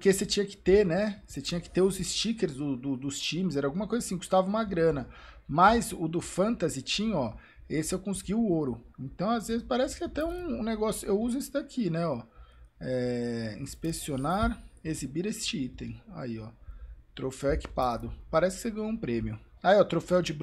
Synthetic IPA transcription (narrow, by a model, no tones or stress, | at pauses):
pɾkeset͡ʃĩɲɐkɪ̥t̪eɾnɛset͡ʃĩɲɐkɪ̥t̪eʊzɪst͡ʃikeɾzd̪ʊd̪ʊd̪ʊst͡ʃĩmɪzɛɾɐawɡũmɐkojzasĩɡust̪avɐũmɐɡɾɐ̃nɐ | mɐzʊd̪ʊfɐ̃nt̪azɪt͡ʃĩɲɐɔ | esɪewkõsɪɡiʊoɾʊẽnt̪ɐ̃w̃azvezɪspaɾɛsɪ̥kɪat̪ɛũũneɡɔsjʊewuzʊesɪd̪akʰinɛɔ | ɛĩspeksionaɾezibiɾest͡ʃɪit̪ẽj̃a̰iɔt̪ɾofɛweki̥pad̪ʊpaɾɛsɪkɪ̥seɡɐ̃jɲũpɾẽmiʊaiɔt̪ɾofɛwd͡ʒɪb